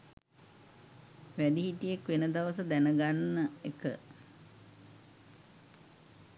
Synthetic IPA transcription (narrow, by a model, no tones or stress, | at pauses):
ʋæɖiɦitijekʋenəd̪aʋəsəd̪ænəɡanːəekə̰